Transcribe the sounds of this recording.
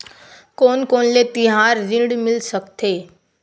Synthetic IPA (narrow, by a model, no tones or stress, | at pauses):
konkonlet̪iɦaɾɾĩɽmɪlsəkt̪ʰe